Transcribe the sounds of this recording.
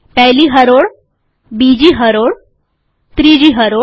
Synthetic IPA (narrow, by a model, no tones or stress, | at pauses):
pɛɦliːɦəɾoɽ | bid͡ʑiːɦəɾoɽ | t̪ɾid͡ʑiːɦəɾo